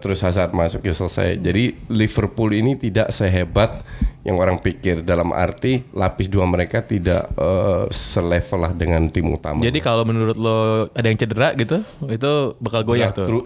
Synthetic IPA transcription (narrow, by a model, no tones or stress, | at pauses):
t̪əɾʊshas̬at̪̚masʊk̚jasəlsa̰jd͡ʒadilifərpulinit̪idaʔsəjaɦebat̪̚jaŋoɾaŋpikɪrdalama̰rt̪ilapɪsduaməɾekat̪ida̰ʔəsəlefəlahdəŋant̪ɪmṵt̪a̰mad͡ʒadikalomənuɾʊt̪̚loadajaŋt͡ʃədəɾaʔɡit̪uit̪ubakalɡojat̪uɾu